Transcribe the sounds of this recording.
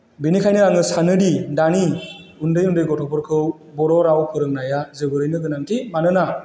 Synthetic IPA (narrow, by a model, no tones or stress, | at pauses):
binikʰajnɯaŋɯsanɯɾidani | undɯjundɯjɡɔtʰɔpʰɔɾkʰɯw | bɔɾɔɾawpʰɯɾɯŋnajazɯbɯɾɯjnɯɡɯnaŋtʰimanɯna